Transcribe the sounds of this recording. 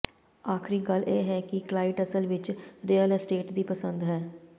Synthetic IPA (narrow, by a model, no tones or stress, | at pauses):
aːkʰɾiːɡəleːɦɛːkɪklaːɪʈəsəlʋɪt͡ʃɾiːəlsʈeːʈd̪iːpəsə̃nd̪ɦɛː